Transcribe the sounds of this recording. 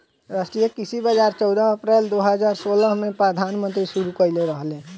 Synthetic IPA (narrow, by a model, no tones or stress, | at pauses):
ɾasʈɾijekisibəd͡ʒaːɾt͡ʃɔʊd̪əɦəpɾɛːld̪oɦəd͡ʒaːɾsoːləɦmẽpɾəd̪ʱaːnmə̃nt̪ɾiʃuɾukəileɾəɦlẽ